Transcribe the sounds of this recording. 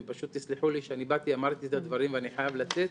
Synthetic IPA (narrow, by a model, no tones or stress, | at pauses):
paʃut̪ːisliħuliʃeanibat̪iamaʁt̪izad̪vaʁimveaniħajavlat͡set̪